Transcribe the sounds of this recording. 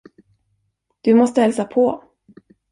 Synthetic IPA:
d̪̥ɵmɔst̪əhɛlsapʰɔ

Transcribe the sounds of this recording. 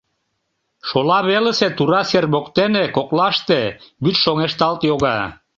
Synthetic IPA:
ʃolɑβelĕset̪uɾɑserβokt̪enekoklɑʃt̪ebyt͡ʃʃoŋeʃt̪ɑlt̪joɣɑ

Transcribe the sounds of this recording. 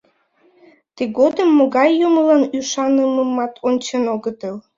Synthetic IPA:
t̪eɡod̪əmːoɣɑjːuməlɑnyʃɑnəməmɑt̪ʰonʲt͡ɕenoɣət̪əl

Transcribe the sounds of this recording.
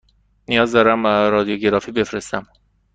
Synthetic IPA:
nijɒːzd̪ɒːɾæmbæɾɒːd̪ijoɟe̞ɾɒːfiːbe̞fɾe̞st̪æm

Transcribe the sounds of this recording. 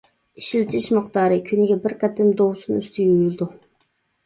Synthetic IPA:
iʃilt̪ʰɪʃmɨqt̪ɑːɾɨkʲʰynɪɡʲɛbɪɾqʰɛt̪ɪmd̪owsunyst̪ʰɪjojylˠd̪u

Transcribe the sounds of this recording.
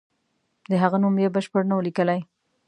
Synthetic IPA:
d̪əɦaɣanumjebəʃpəɽnawəlikəlaj

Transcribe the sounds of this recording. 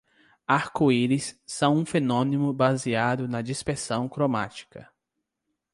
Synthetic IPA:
aɾkoiɾisːɐ̃w̃ũfenõnĩmʊbaziad̪ʊnɐd͡ʒispeɾsɐ̃w̃kɾoma̰t͡ʃi̥kɐ̰

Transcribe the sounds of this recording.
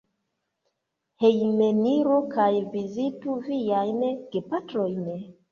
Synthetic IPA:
hejmeniɾukajvizituvijajnɡepatɾojn

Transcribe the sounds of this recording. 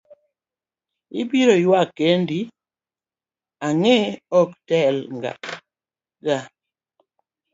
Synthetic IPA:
ḭbiɾojwakːendi | aŋɛɔktɛlŋɡa̰ | ɡa

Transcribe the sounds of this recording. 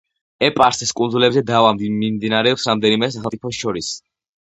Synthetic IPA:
ɛpʼaɾsɛskʼunzulɛbzɛd̪avammimd̪inaɾɛɔpsɾamd̪ɛnimɛsaχɛlˠt̪ʼipʰɔsʃɔɾis

